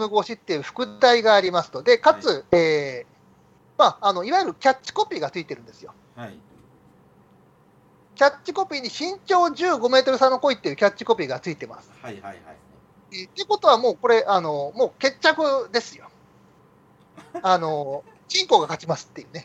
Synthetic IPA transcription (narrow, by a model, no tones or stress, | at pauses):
mɯ̟ɡo̞ːɕit̪ːe̞jɯ̟ɸɯ̟̥kɯ̟t̪aiɡaːɾʲimasɨ̥t̪o̞d̪e̞kat͡sɨeː | maːno̞iβajɯ̟ɾɯ̟kʲat͡ɕːi̥ko̞pʲiːɡat͡sɨit̪e̞ɾɯ̟̃nd̪e̞sɨjo̞ | kʲat͡ɕt͡ɕːiko̞pʲiːɲ̟iɕĩɲ̟t͡ɕo̞ːd͡ʑɨːɡo̞me̞ːt̪o̞ɾɯ̟sãnːo̞ko̞it̪ːejɯ̟kʲat͡ɕːi̥ko̞pʲiːɡat͡sɨit̪e̞ma̰sɨ̥ | et̪ːeko̞t̪o̞βamo̞ːko̞ɾe̞ʔano̞mo̞ːke̞t͡ɕːakɯ̟d̪e̞sɨjo̞ | ano̞ | t͡ɕĩŋko̞ːɡakat͡ɕimasɨ̥t̪ːe̞jɯ̟ːne̞